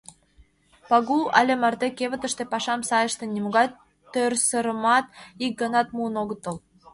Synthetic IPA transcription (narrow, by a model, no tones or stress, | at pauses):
pɑɣuɑ̰lʲemærd̪ekeβə̆t̪ə̆ʃt̪ĕpɑʃɑmsɑjə̆ʃt̪ĕnʲimuɣɑ | t̪ːørsə̆ɾə̆mɑt̪̚ik̚ɡɤnɑt̪muənoɣə̆t̪ə̆l